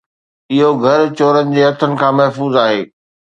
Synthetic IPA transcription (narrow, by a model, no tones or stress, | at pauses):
ɪɦoɡʱɐɾt͡ɕoːɾənɪ̆d͡ʑeːɦɐt̪ʰənɪ̆kʰãːmɐɦfuːzaːɦeː